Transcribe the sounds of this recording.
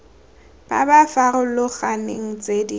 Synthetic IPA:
b̥a̰bafarʊlʊɣanɪ̰ŋ̩t͡sʼedi

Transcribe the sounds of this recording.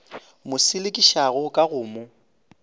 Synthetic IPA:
mʊsɪlekʼiʃaɣʊkʼaɣʊːmʊ

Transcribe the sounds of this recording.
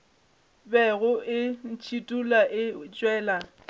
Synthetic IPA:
bɛɣʊʔɪn̩t͡ʃʰitʼulaʔɪt͡ʃʼwɛːla

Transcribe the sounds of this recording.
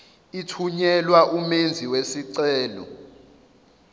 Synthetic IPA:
itʰuɲɛlwaʔumend͡zʱiwesiǀɛːlɔ̰

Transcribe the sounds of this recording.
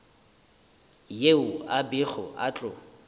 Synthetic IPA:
jeʊabɪχɔ̰ʔa̰t͡ɬʼʊ

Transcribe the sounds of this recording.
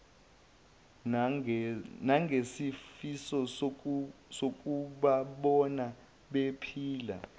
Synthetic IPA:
naŋɡʱesifisɔ | sok̬ʼuɓaɓɔna | ɓepʰiːla̰

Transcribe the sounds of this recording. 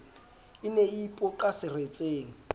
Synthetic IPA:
ɪneipʼɔkʼasɪret͡sʼeːŋ̩

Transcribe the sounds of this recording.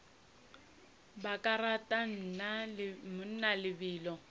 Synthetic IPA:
bakʼaratʼan̩namʊn̩nalɪbiːlɔ

